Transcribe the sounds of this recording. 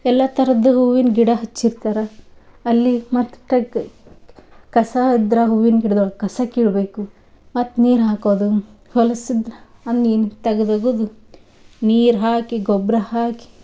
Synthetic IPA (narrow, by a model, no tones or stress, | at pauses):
ɛlːɐt̪ɐɾɐd̪ːuɦuʋinɡiɽɐɦɐt͡ʃːiɾt̪aːɾɐ | ɐlːimɐt̪ʈːɐ | kɐsɐid̪ɾɐɦuʋinkiɽd̪okɐsɐkiːɭbeːku | mɐt̪ːniːɾɦaːkoːd̪uhɔlɐsid̪ɾɐɐnːint̪ɐɡɐd̪ɐɡoːd̪u | niːɾɦaːkiɡɔbɾɐhaːki̥